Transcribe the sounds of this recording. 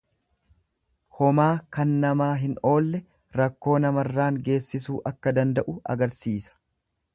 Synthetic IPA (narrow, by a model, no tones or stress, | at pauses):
hɔmaːkɐnːɐmaːɦɪno̞ːlːɛ | ɾɐkːo̞ːnɐmɐrːaːŋɡe̞ːsːɪsuːʔɐkːɐd̪ɐnd̪ɐʔʊɐ̰ɡɐɾsiːsɐ̥